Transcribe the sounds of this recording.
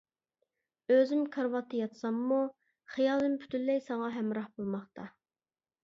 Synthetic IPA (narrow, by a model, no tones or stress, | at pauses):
øzɪmkʰɑɾwɑt̪ʰːɨjɑt̪ʰsɑmːu | χijɑlˠɨmpʰy̥t̪ʰylːɛjsɑŋɑɦɛmɾɑhbolˠmɑχt̪ʰɑ